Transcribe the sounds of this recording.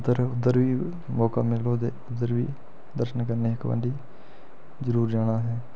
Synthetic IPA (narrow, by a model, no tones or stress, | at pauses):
d̪əɾʊd̪əɾʋiː | mɔːka̰ːmɪloːt̪eːʊd̪əɾʋḭː | d̪əɾʃənkəɾneːɦɪkʋə̰nɖiː | zəɾuːɾd͡ʒaːɽ̃aːɦɛː